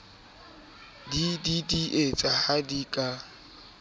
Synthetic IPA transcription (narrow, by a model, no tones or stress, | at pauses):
dididiʔet͡sʼahadikʼa